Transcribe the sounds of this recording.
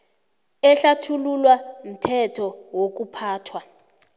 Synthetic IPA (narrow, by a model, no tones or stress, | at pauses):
ɛɬatʰululwam̩tʰɛtʰɔwok̬upʰaːtʰwa